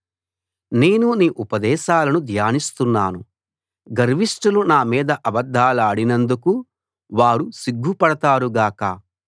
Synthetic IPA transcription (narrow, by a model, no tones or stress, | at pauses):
ne̞ːnuniːʔupɐd̪ɛːʃaːlɐnud̪ʱjaːnist̪unːaːnu | ɡɐɾʋiʂʈulunaːmiːd̪ɐʔɐbɐd̪ʱːaːlaːɽinɐnd̪uku | ʋaːɾusiɡʱːupɐɽɐt̪aːɾuɡaːkɐ